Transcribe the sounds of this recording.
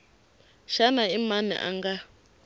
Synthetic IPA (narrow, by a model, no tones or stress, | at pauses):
ʃanaimanɛ̰ʔa̰ŋɡa